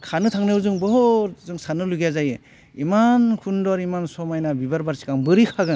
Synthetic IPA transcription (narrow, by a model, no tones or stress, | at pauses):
kʰanɯtʰaŋnɯwzɯŋbɔɦzɯŋsanɯluɡazajɯ | imankʰundɔɾimansɔmajnabibaɾbaɾsi̥kaŋbɯɾikʰaɡɯ